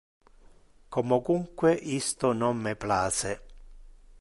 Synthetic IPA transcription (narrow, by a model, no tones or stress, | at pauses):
kɔmɔkuŋkweʔist̪ʊnɔmːɪplaːsɛ